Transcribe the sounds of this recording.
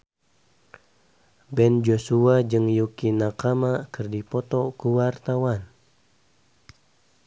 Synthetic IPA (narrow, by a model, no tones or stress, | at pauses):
bɛnd͡ʒosuad͡ʒɨŋjukinakamakɨrdipɔt̪ɔkuwart̪awan